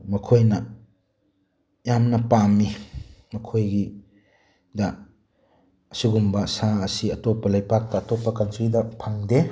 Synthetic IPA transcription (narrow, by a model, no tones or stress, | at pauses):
mɐkʰojnɐ | jamnɐpamːimɐkʰojɡi | dɐ | ɐsiɡumbɐsaɐsiɐtɔpːɐlajpak̚tɐːtɔpːɐkɐntɾidɐpʰaŋde